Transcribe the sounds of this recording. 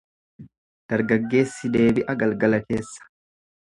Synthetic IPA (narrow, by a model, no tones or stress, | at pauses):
d̪̥ɐɾɡɐɡːe̞ːsːɪd̪e̞ːbɪʔɐɡɐlɡɐlɐke̞ːsːɐ̥